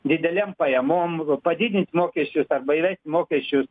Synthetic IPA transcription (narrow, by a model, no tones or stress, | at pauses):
d̪id̪ɐlʲempɐjɐmompɐd̪id̪ʲinʲt̪ʲmokeɕusɐɾbɐjʋɐt̪ʲimokeɕu